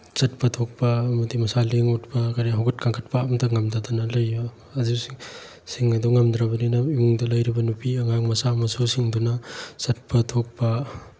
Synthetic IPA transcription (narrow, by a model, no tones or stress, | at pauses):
t͡ʃɐt̚pɐtʰok̚pɐmɐdimɐsaleŋutpɐkaɾeɦawɡɐt̚kʰaŋkʰɐt̚pamdɐŋɐmdadanɐlɐjːo | ɐzus | siŋɐduŋɐmd̪ɾɐbɐninɐimuŋdɐlɐjɾibɐnupiɐŋaŋmɐsamɐsusiŋdunɐsɐt̚pʰɐtʰok̚pɐ